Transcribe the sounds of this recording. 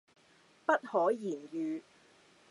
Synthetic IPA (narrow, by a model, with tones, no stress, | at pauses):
pɐ˥t̚hɔː˨˥jiː˨˩njyː˨˧